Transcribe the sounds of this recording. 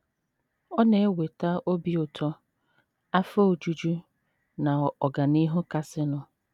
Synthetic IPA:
ɔ˦ne˨e˦we˨ta˦o˦bi˦ʊ˨tʰɔ˦ | a˦fa˦o˨d͡ʒu˦d͡ʒu˦ | na˨ɔ˨ɡa˨ni˦ɦʊ˦ka˦sɪ˦nʊ˦

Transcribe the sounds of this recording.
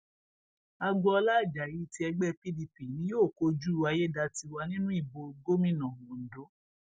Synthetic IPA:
a˧ɡ͡bɔ˧ɔ˧la˦˨d͡ʒa˨ji˨˦ti˧˦ɛ˧ɡ͡bɛ˦pi˦li˧pi˨nĩ˦joː˦˨ko˧d͡ʒu˦˨˧a˧je˦˨da˧ti˧wa˧nĩ˦nũ˦i˦˨bo˧ɡo˦mĩ˦˨nã˨ɡõ˨n̩˨do˨˦

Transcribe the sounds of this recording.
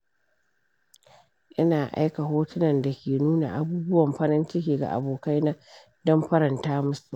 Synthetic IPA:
ʔɪ˦naː˨ʔa̰˦jka˨ɦoː˦tʊ˦nɐ˨nda˨kʲeː˨nuː˦na̰˨ʔa˨buː˦bʊ˦wɐ˨mɸɐ˦ɾɪ˦nt͡ʃɪ˦kʲeː˨ɡa̰˨ʔa̰˨boː˨ka˦jnaː˦ | dɔ˦mɸɐ˦ɾɐ˨ntaː˦mʊ˦su˨

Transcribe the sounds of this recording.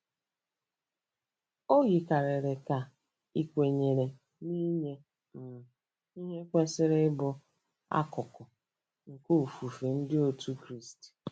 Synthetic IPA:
o˦ɣi˨ka˨ɾe˨ɾe˨ka˨ | i˨kʷe˨ɲe˨ɾe˨ | ni˦ɲe˦˨ | i˦ɦe˦kʷe˦sɪ˦ɾɪ˦bʊ˦ | a̰˦kʊ˨kʊ˨ | ŋ̩˨ko˦u˨fu˨fe˨n̩˦dɪ˦o˦tʰu˦kɾi˦st

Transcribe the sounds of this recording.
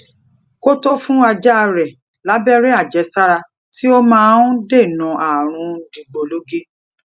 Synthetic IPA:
ko˦to˦fũ˦a˧d͡ʒɛ˦a˧ɾɛ˨ | la˨˦bɛ˦ɾɛ˦a˦˨d͡ʒɛ˨˦sa˦ɾa˧ | tʰi˦o˦mãː˦n̩˦de˦˨nã˨ʔa˨ɾ̃ũ˧˨˦dĩ˨ɡ͡bo˧lo˦ɡe˦

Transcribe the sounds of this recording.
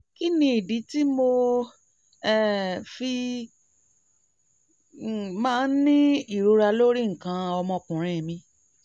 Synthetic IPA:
ki˦nĩ˧i˨di˨˦ti˦mo˧ | ɛ˨fi˧˨ | mãː˦n̩˦nĩ˦i˦˨ɾo˨˧ɾa˧lo˦ɾi˦˨ŋ̩˨kã˧ɔ˧mɔ̃˧kũ˨ɾ̃ɛ̃˨mĩ˧

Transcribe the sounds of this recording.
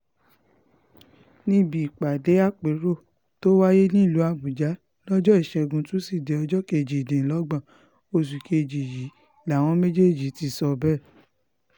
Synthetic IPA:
nĩ˧bi˨i˨k͡pa˨de˨˦a˦˨k͡pe˨˦ɾo˦˨ | to˦wa˦je˦nĩ˦˨lu˨˦a˧˨bu˨d͡ʒa˨˦ | lɔ˦d͡ʒɔ˦i˦˨ʃɛ˧ɡũ˧˦tũ˦si˦˨de˨ɔ˧d͡ʒɔ˦ke˧˨d͡ʒi˨dẽ˨lɔ˨˦ɡ͡bã˨ | o˧˨s̬u˨ke˧e˧d͡ʒi˨ji˨˦˨ | la˨˦˨w̃ɔ̃˧˦me˦d͡ʒe˦˨d͡ʒi˨˦ti˧˦˨sɔ˧bɛ˦˨

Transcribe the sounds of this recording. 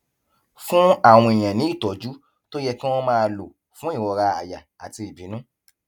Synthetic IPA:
fũ˦a˦˨w̃ɔ̃˧e˨j̃ɛ̃˨nĩ˨˦i˦˨tɔ˨˦d͡ʒu˦ | to˦jɛ˧kĩ˦w̃ɔ̃˦mãː˦˧lo˨ | fũ˨˦i˦˨wɔ˧ɾa˧a̰˨ja˨a̰˨ti˧i˨bi˨˦nũ˦

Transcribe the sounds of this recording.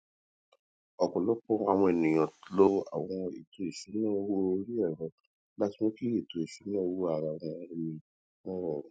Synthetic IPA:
ɔ˨kɔ˨lɔ˨˦k͡pɔ˦a˨w̃ɔ̃˧e˨nĩ˨j̃ɔ̃˨˦lo˦a̰˨w̃ɔ̃˧e˨to˧e˨ʃu˨˦nã˦˨o˧wo˦˧ɾi˦ɛ˦˨ɾɔ̃˨˧ | ba˦ti˦mõ˦ki˦je˦˨to˧e˨ʃu˨˦nã˦o˧˦wo˦a˨ɾa˨w̃ɔ̃˧˦mĩ˧ | nɔ̃˦ɾɔ˦˨ɾ̃ũ˨

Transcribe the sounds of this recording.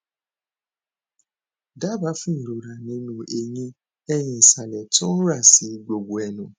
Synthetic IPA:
da˦ba˦fũ˦ni˨ɾo˨ɾa˨ne˦nũ˨ʔe˨ɲe˦ | ɛ˦ɲẽ˨sa˨lɛ˨tʊ̃˦ɾa˦˨si˨˦ɡ͡bo˨ɡʷu˨ɛ˨nʊ̃˨

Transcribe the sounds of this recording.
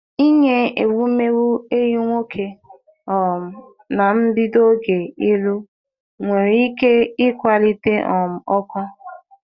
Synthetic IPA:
i˦ɲe˦e˨wu˦me˦ɾu˦e˦ju˦ŋʷo˦kʰe˨ | ɔ˨m̩˨ | na˨m̩˦bi˦do˦ɡe˨i˦lu˦ | ŋʷe˨ɾi˦ke˦ɪ˦kʷa˦li˦te˦ʔɔ˨m̩˨ɔ˦kʷa˦

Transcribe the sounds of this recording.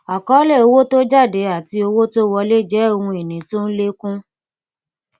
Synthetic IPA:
a˨kɔ˨˦le˦˨o˧wo˦to˦d͡ʒa˦˨de˨˦a˨ti˧o˧wo˦to˦wɔ˧le˦d͡ʒɛ˨˦o˧hũ˧e˨nĩ˨˦to˦n̩˦le˦kũ˦

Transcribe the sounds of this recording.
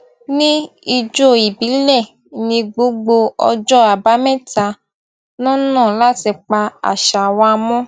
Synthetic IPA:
nĩ˦i˧d͡ʒo˦˨i˨bi˨˦lɛ˦˨ | nĩ˧ɡ͡bo˧˦ɡ͡bo˧ɔ̰˧d͡ʒɔ˦a˨ba˨˦mɛ̃˦˨ta˧ | nɔ̃˦nɔ̃˦˨la˦˨ti˧k͡pa˧a̰˨ʃa˨wã˧mɔ̃˦

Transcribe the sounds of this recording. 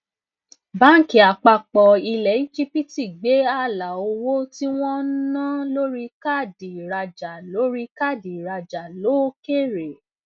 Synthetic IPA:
ba˦ki˨a˨k͡pa˧k͡pɔ˧i˧lɛ˨i˦d͡ʒi˦pi˦ti˨ɡ͡be˨˦a˦˨la˨o˧wo˦ti˦w̃ɔ̃˦nã˦lo˦ɾi˦ka˦˨di˨ɾa˧d͡ʒa˨lo˨˦ɾi˦ka˦˨di˨ɾa˧d͡ʒa˨lo˨˦ke˦˨ɾe˨

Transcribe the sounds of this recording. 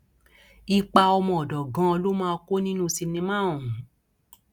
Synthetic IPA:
i˧k͡pa˧ɔ˧mɔ̃˧ɔ˨dɔ˨ɡã˧˦o˧lo˦mãː˦˧ko˦nĩ˦nũ˦˧si˧mnĩ˧mã˦˨ũ˨ũ˨˦

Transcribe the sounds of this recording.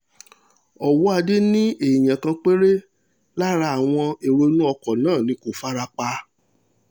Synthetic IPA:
ɔ˨wɔ˦a˧de˦nĩ˦e˨j̃ã˨kã˧k͡pe˦ɾe˦ | la˦ɾa˧a˨w̃ɔ̃˧e˨ɾo˧nũ˦ɔ˧kɔ˨nãː˦˨nĩ˧˦ko˨fa˦ɾa˧k͡pa˧

